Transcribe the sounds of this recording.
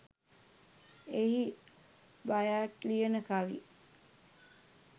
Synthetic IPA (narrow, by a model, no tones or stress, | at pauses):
ehi | bajaːʈlijənəkaʋḭ